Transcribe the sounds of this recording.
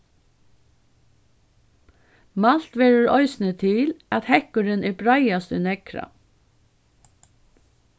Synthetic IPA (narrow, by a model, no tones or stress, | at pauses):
mɑl̥t̪ʋeːɹəɹɔʏsnət̪ʰɪlɑt̪hɛkʊɾənʔæːbɹɑɪɑst̪ənɛkɾɑ̰